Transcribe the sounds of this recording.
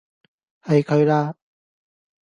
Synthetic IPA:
hɐ˨jkʰɵ˨˧ɥlaː˧

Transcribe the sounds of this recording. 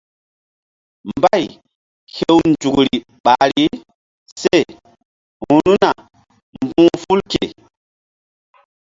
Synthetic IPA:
mba˦j | he˦wnd͡ʒu˨kɾi˨ | ɓa˨ɾi˦ | se˦˨ | hu˨nu˦na˨ | mbũː˦fu˦lke˨

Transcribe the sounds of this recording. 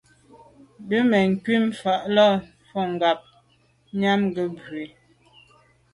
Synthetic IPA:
bə˦mɛ˨ŋ̩˨kɥi˦m˨fa˨ʔlɔ˦˨ | fɔ˦˨ŋ˨ɡa˨p̚ | ɲa˦mɡə˦be˨

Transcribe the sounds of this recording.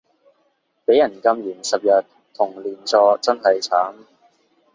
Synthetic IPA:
pe˨˥jɐ˨˩nkɐ˧mjyː˨˩nsɐ˨p̚jɐ˨t̪ | t̪ʰʊ˨˩ŋliː˨˩nt͡sɔː˧t͡sɐ˥nɦɐ˨jt͡sʰaː˨˥m

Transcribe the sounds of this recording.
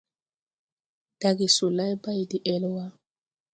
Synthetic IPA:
d̥a˨ɡi˨su˨la˦jba˦i˨di˨ʔɛ˦lwa˦

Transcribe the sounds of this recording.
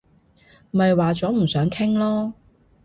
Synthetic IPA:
m̩˨ɐ˨jwaː˨t͡sɔː˨˥m̩˨˩sœː˨˥ŋkʰɪ˥ŋlɔː˥

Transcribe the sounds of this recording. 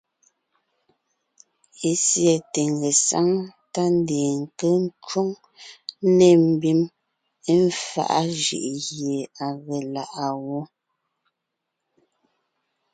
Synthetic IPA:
e˦sjɛ˨te˨ŋɡe˨sa̰˦ŋta˦n˦de˨ŋ̩˨kə˦n˦t͡ʃo˦ŋ˦ | ne˦˨m̩˨bi˦m | e˦ɱ˦fa̰˦ʔa̰˦ʒḭ˨ʔɣje˨a˨ɣe˨la˨ʔa˨wo˦

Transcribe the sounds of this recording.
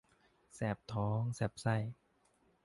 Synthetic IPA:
sɛː˨˩p̚t̪ʰɔː˨˦ŋsɛː˨˩p̚sa˥˩j

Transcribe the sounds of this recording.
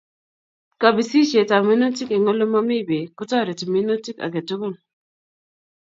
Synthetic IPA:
ka˨bi˨si˦t͡ʃe˨ta˨mi˦no˦tɪ˦ke˨ŋo˦lo˦ma˦mi˦˨be˨kʊ˦tɔ˦˨ɾe˨ti˨mi˦no˦ti˦ka̰˨ɡe˨tʊ˦ko˦˨n

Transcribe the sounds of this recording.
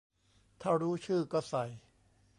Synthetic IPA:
t̪ʰaː˥˩ɾuː˦˥t͡ɕʰɯː˥˩kɔː˥˩sa˨˩j

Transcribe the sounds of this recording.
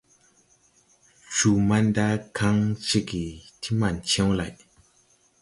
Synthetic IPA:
t͡ʃu˨ma˦nda˦kʰa˦ŋt͡ʃi˦˨ki˨tʰi˦ma˨nt͡ɕʰe˦wla˨jʔ

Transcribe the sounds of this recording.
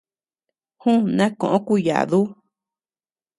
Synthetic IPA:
hũ˦nã˦kõ˨ʔõ˦ku˦ja̰˨ðu˦

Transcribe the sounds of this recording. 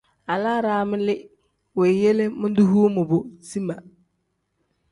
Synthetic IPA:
a˨laː˦ɾaː˦mɪ˦lɪ˦ | we˨je˦lɪ˦mʊ̃˦du˦ɦu˦mʊ˨bʊ˨si˦ma˨

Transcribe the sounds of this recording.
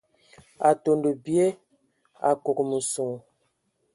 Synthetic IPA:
a˨to˨ndə˨bje˦ | a̰˨ko˨kmə˨so˨ŋ˨

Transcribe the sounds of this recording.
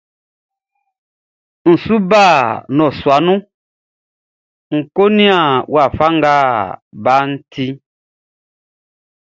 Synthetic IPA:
n̩˨su˦ba˦˨nɔ̃˨swa˨˦nũ˦ | ŋ̩˨ko˦nĩ˦a˨wa˨fa˦ŋɡaː˦˨ba˦n̩˦tʰi˦

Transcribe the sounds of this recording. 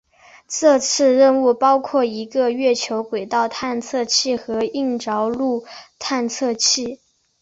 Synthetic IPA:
ʈ͡ʂɤ˥˧t͡sʰɹ̩˥˧ɻə˥˧nu˥˩pɑ˥ʊkʰwɔ˥˩i˧˥ɡə˧ɥɛ˥˩t͡ɕʰjo˧˥ʊkwe˨˩ɪt̪ɑ˥˧ʊt̪ʰa˥˧nt͡sʰɤ˥˧t͡ɕʰi˥˩xɤ˧˥i˥˩ŋʈ͡ʂɑ˧˥ʊlu˥˩t̪ʰa˥˧nt͡sʰɤ˥˧t͡ɕʰi˥˩

